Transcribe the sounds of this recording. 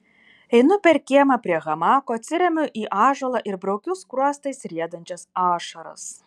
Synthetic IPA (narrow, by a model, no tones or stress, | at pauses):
ɛɪnʊpʲɛɾkʲiɛmɐpʲɾʲiɛɣɐmɑːkoːɐt̪ʲsʲɪɾʲɛmʲʊʔiːʔɑːʒɐlˠɐʔɪɾbɾɐʊkʲʊskɾuɔst̪ɐɪsɾʲiɛd̪ɐnʲt͡ʃʲɛsɑːʃɐɾɐ̰s